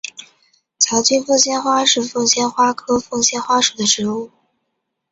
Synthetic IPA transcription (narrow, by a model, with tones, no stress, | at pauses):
t͡ɕʰjɑ˧˥ʊt͡ɕy˥nfɤ˥˧ŋɕjɛ˥˧nxwa˥ʂɻ̩˥˧fɤ˥˧ŋɕjɛ˥nxwa˥kʰɤ˥fɤ˥˧ŋɕjɛ˥nxwa˥ʂu˨˩d̪ə˦ʈ͡ʂɻ̩˧˥u˥˩